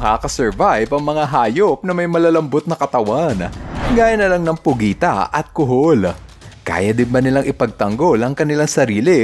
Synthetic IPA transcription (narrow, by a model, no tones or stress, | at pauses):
ɐkakɐsɛɹvajbɐŋmɐŋaɦaːjo̞p̚nɐmɐjmɐlalɐmbot̪̚nɐkɐt̪ɐwanɡaːjɐnːɐlaŋnɐŋpʊɡiːt̪ɐ̰ʔɐt̪̚kʊɦol | ka̰ːjɐd̪ɪnbɐnɪlaŋʔɪpɐɡ̚t̪ɐŋɡo̞lʔɐŋkɐnɪlaŋsɐɾiːlɪ